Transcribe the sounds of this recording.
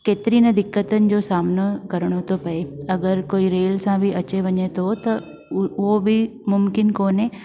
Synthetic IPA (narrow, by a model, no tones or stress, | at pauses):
keːt̪ɪɾinɐd̪ɪkːət̪ənɪ̆d͡ʑoːsaːmnəkɐɾəɽ̃ot̪opɐeɐɡəɾkoːiɾeːlsãbʱiʔɐt͡ɕeʋɐɲet̪ʰot̪ɐ | ʋobʱimʊmkɪnkoːnẽ